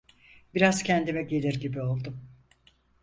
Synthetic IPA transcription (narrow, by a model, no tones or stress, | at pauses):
biɾaz̥cʰɛnd̪imɛɟe̞lʲiɾɟibio̞lˠd̪um